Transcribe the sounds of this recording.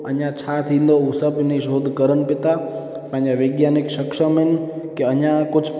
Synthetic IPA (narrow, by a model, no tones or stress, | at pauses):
ə̰ɲjãt͡ʃʰat̪ʰind̪ousəbniʃod̪ʱkəɾəɳpit̪a | pãɲãʋeɡjanikʃəkʃəmen | keəɲjãkʊt͡ʃʰ